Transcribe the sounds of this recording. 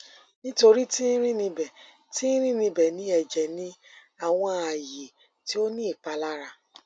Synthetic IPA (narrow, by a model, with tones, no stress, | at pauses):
nĩ˦to˧ɾi˦ti˦ɾ̃ĩ˦nĩ˧bɛ˨ | tĩ˦ɾ̃ĩ˦nĩ˧bɛ˨nĩ˨˦ɛ˨d͡ʒɛ˨nĩ˨˦ | a˨w̃ɔ̃˧a˨je˨ | ti˨˦o˦nĩ˦i˦˨k͡pa˨˦la˦ɾa˧